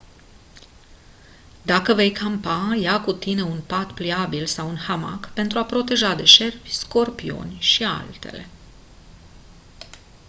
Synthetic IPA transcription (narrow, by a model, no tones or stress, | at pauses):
d̪akəve̞jkʰampajakut̪ine̞unpat̪pliabilsawunhama̰kpe̞nt̪ɾuapɾo̞t̪e̞ʒad̪e̞ʃe̞rbʲsko̞rpio̞̰nʲʃia̰lt̪e̞̰le̞̰